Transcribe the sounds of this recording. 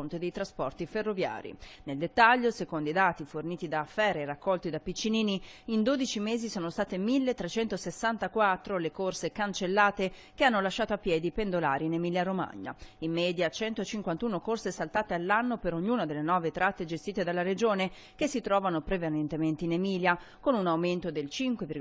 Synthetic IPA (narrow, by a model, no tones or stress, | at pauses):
ont̪ed̪ejt̪ɾaspɔrt̪iferːovja̰ːɾḭneld̪et̪ːaʎːosekond̪oijd̪aːt̪iforniːt̪id̪aːfːɛːɾerakʰːɔlt̪id̪apit͡ʃːiniːniind̪oːd̪it͡ʃimeːzisoːnost̪aːt̪emilːet̪ːɾet͡ʃɛnt̪osesːant̪akwat̪ːɾolekorsekant͡ʃelːaːt̪e | keanːolaʃːaːt̪oapːjɛːd̪ipend̪olaːɾinemiːljaɾoma̰ɲːa̰imːɛːd̪jat͡ʃɛnt̪ot͡ʃiŋkwant̪uːnokorsesalt̪aːt̪ealːanːopeɾoɲːuːnad̪elːenɔːvet̪ɾat̪ːed͡ʒest̪iːt̪ed̪alːaɾed͡ʒoːne | kesːit̪ɾɔːvanopɾevanent̪ement̪einemiːlja | konunawment̪od̪elt͡ʃiŋkweviɡ